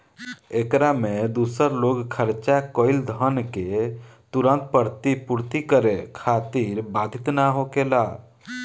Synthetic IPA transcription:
ekɾamed̪usəɾloɡkʰəɾt͡ʃakoɪld̪ʱənket̪uɾə̃nt̪̚pəɾt̪ipuɾt̪ikəɾekʰat̪iɾbad̪ʱit̪naɦokela

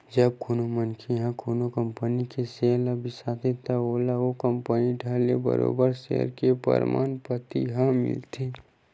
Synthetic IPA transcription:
d͡ʒɐb̚koːnomənkʰiɦãkonokəmpənikeseːlabʱɪsaːt̪ʰet̪aoːlaokəmpəniʈəlḛbə̰ɾo̰ːbəɾsḛːɾkepə̰ɾma̰ːnpət̪ḭɦãmɪ̰lt̪ʰe

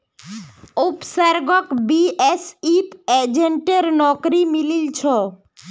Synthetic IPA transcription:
upsaɾɡokbiesit̪ed͡ʑeɳʈeɾnɔkɾimililt͡ɕʰo

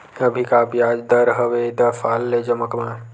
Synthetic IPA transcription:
ɐbʱikabjaːd͡ʒd̪ɐɾɦəʋed̪ɐfaːlːed͡ʒɐməkmã

